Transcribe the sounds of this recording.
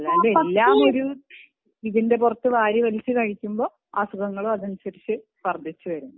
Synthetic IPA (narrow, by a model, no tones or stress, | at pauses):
ɐlːaeelːaːmo̞ɾu | iðinde̞p̬urɐt̪ːɨʋaːɾjiʋɐlit͡ɕːɨkɐɻikʲːumbo̞ː | aːsuɣɐŋːɐɭoɐðɐnsɐɾit͡ɕːɨ | ʋɐrd̪ʱit͡ɕːuʋɐɾunːu